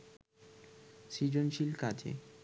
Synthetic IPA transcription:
sid͡ʑonʃilkat͡ɕʰḛ

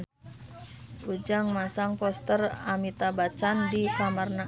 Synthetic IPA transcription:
ud͡ʒaŋmasaŋpɔst̪əramit̪abat͡ʃandikamarna

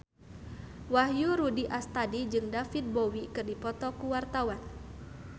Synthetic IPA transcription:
wahjuɾudiʔast̪adid͡ʒɨŋdafit̪̚bowikɨrdipɔt̪ɔkuwart̪awan

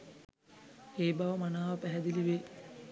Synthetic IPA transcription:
eːbɐʋəmanaːʋɐpæɦɛd̪iliʋeː

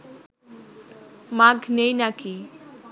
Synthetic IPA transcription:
maɡnejnaki

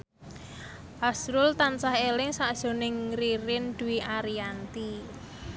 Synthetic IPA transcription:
ʔasɾʊlt̪ansahelɪŋsaʔd̥ʒ̥o̤nɪŋriɾɪnd̪̥ṳwiʔaɾiant̪i

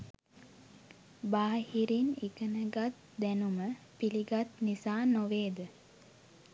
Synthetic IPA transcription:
baːhiɾinikənəɡat̪ | d̪ænumə | piliɡat̪nisaːnoʋeːd̪ə

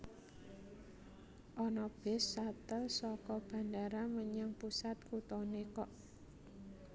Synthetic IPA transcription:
ʔɔnɔb̥ɪ̤sːat̪əlsɔkɔb̥ä̤ndaɾaməɲaŋpusat̪kut̪ɔnekɔʔ

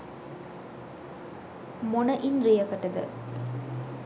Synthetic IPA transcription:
monɐʔinɾijɐkɐʈːɐd̪ɐ̰

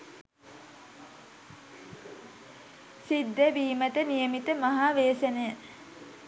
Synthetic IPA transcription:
sid̪ːeʋiːmət̪ənijəmit̪əmaɦaːʋeːsənəjə

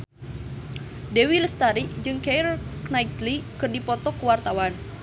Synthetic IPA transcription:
dewiləst̪aɾiʔd͡ʒɨŋkerknajt̪likɨrdipɔt̪ɔkuwart̪awan

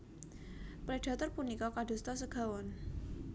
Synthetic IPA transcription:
pɾɛɖ̥a̤t̪ɔrpunikɔkad̥o̤st̪ɔsəɡ̥a̤wɔn

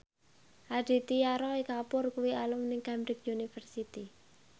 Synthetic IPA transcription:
had̥i̤t̪ijaɾɔikapʊrkuwialʊmnɪŋkambɾɪk̚junifərsit̪i

